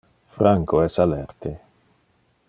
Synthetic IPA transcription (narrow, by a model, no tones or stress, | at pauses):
fɾaŋkoɛsalɛɾt̪i